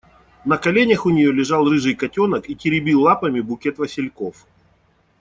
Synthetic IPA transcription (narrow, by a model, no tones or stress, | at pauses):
nɐkɐlʲenʲəxʊnʲɪjo̞lʲɪʐɑlˠrɨʐɨjkɐtʲonəkitʲɪɾʲɪbʲilˠːapəmʲɪbʊkʲet̪vəsʲɪlʲko̞f